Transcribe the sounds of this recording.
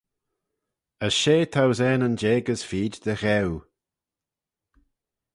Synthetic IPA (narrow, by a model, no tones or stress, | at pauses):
əʃeːt̪ʰawzɛːnənd͡ʒeːɡəz̥fiːdd̪̥əɣɛw